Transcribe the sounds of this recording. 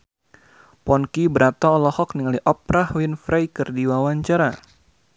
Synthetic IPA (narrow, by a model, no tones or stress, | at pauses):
pɔnkibəɾat̪aɔlɔhɔk̚niŋaliʔɔp̚ɾahwinfɾajkɨrdiwawaɲt͡ʃaɾa